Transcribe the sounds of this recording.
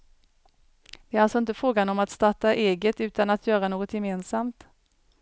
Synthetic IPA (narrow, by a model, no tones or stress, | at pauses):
vɪæɾalsɔɪnt̪əfɾoːɡanɔmat̪st̪aʈːaʔeːɡət̪ʉ̟ːt̪anat̪ʰjœːɾanoːɡɔt̪jɛmeːnsamt̪